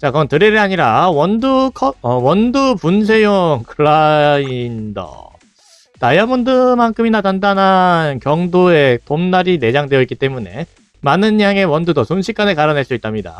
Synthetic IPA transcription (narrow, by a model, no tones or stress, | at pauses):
t͡ɕakʌntɯɾeɾɯaɲiɾawʌndukʰʌʌwʌndupuns̬ʰe̞joŋkʰɯɭaindʌ̰ | tajamondɯmankʰɯminatandanɦankjʌŋdoe̞tomnaɾine̞d͡ʑaŋdwe̞jʌik͈it͈e̞mune̞̰ | manɯnjaŋe̞wʌndudʌsʰonɕʰik͈anekaɾʌnɦeɭs͈uit͈ʰamɲida̰